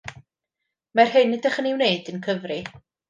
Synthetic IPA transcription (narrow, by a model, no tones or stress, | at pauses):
marhɪnːɪdaχəniwneɨdənkʰəvrɨ